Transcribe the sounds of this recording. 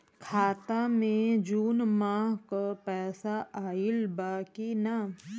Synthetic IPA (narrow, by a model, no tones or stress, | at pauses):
kʰaːt̪amẽd͡ʒuːnmãːɦkapɛːsaʔaːɪlbaːkina